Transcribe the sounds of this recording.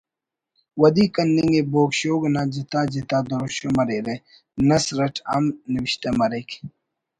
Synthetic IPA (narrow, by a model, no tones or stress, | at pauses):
wɐd̪ikɐnːiŋɡeboːkɕoːɡnad͡ʑit̪aːd͡ʑit̪aːd̪oɾoɕomɐɾeɾe | nɐsɾɐʈʰa̰mniwiɕt̪emɐɾek